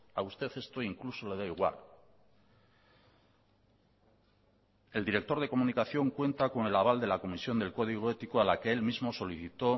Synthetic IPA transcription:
aust̪e̞θe̞st̪o̞iŋkluso̞le̞ð̞aiɣwa̰l | e̞ld̪iɾe̞k̚t̪o̞ɾð̞e̞ko̞munikaθjo̞ŋkwe̞nt̪ako̞nelaβ̞ald̪e̞lako̞misjo̞nd̪e̞lko̞ðiɣ̞o̞e̞t̪ikoalakee̞lmizmo̞so̞liθit̪o̞

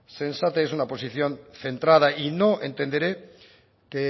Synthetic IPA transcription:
sensat̪eesunapo̞siθjo̞nθe̞nt̪ɾað̞aʔinoʔent̪e̞nd̪e̞ɾe | ke

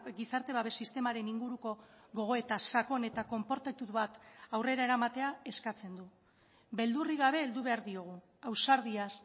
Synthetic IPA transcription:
ɡisaɾt̪e̞βaβe̞sist̪e̞maɾe̞niŋɡuɾuko̞ɣo̞ɣ̞o̞e̞t̪asako̞ne̞t̪ako̞mpo̞ɾt̪at̪ut̪βat̪awre̞ɾae̞ɾamat̪e̞ae̞skat͡se̞nd̪u | be̞ld̪uriɣaβ̞e̞ːld̪uβe̞aɾðio̞ɣ̞u | awsaɾð̞ias

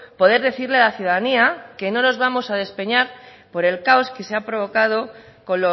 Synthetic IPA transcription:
po̞ðe̞ɾðe̞θiɾle̞alaθjuðaðaniake̞no̞no̞zβamo̞sað̞e̞spe̞ɲaɾ | po̞ɾe̞lkaoske̞seapɾo̞β̞o̞kað̞o̞ko̞no

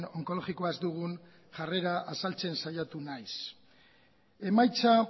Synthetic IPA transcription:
no̞ŋko̞lo̞ɣikoazd̪uɣ̞un | ʝare̞ɾaʔasalt͡se̞nsajat̪unajs | e̞majt͡sa

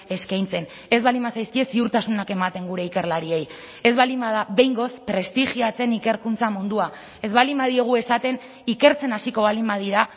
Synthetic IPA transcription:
e̞skajnt͡se̞n | e̞zβalimbasajskie̞siuɾt̪asunake̞mat̪e̞ŋɡuɾe̞ike̞ɾlaɾie̞j | e̞zβalimbaðaβe̞jŋɡo̞spɾe̞st̪iʝiat͡se̞nike̞ɾkunt͡samund̪ua | e̞zβalimbaðio̞ɣ̞ue̞sat̪e̞n | ike̞ɾt͡se̞nasiko̞βalimbað̞iɾa

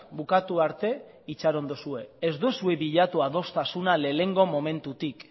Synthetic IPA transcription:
bukat̪uaɾt̪e̞ | it͡ʃaɾo̞nd̪osue̞ezd̪usue̞βiʎat̪uaðo̞st̪asunale̞le̞ŋɡo̞mo̞mẽ̞nt̪ut̪ik

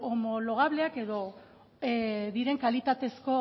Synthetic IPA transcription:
omo̞lo̞ɣ̞aβle̞ake̞ðo̞ | ðiɾe̞ŋkalit̪at̪e̞sko̞

